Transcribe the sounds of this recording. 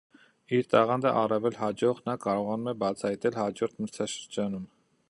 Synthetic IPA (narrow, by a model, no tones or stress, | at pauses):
iɾt̪ɑʁɑnd̪əʔɑrɑvɛlhɑd͡ʒɔʁnɑkɑɾɔʁɑnumɛbɑt͡sʰɑjt̪ɛlhɑd͡ʒɔɾt̪ʰməɾt͡sʰɑʃəɾd͡ʒɑnum